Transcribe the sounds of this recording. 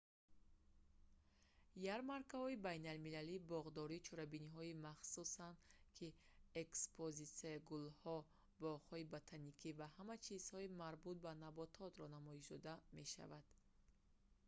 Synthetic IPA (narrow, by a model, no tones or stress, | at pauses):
jaɾmaɾkahɔibajnalmilalibɔʁd̪ɔɾiːt͡ʃʰɔɾabiniɦɔimaχsusand̪kʰi | ekspʰozit̪saɡulhɔ | bɔʁhɔibot̪ʰanikʰivahamat͡ʃʰiz̥hɔimaɾbut̪̚banabɔt̪ʰɔt̪ɾɔnamɔiʃd̪ɔd̪ame̞ʃa̰vad̪̥